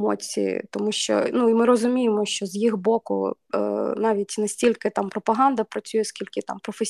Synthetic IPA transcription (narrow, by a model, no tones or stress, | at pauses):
ɔ̰t͡sʲḭjḭt̪ɔmuʃt͡ʃɔ̰nuimɪɾɔzʊmʲijɪmɔʃt͡ʃɔzjixbɔkʊ̰ | nɑʋʲitʲnɐsʲtʲilʲkɪt̪ɑmpɾɔpɐɦɑnd̪ɐpɾɐt͡sʲujɛskʲilʲkɪt̪ɑ̰mpɾɔfesʲ